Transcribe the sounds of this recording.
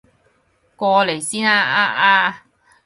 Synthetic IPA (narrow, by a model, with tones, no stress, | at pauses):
kɔː˧le˨˩jsiː˥naː˧aː˧ʔaː˧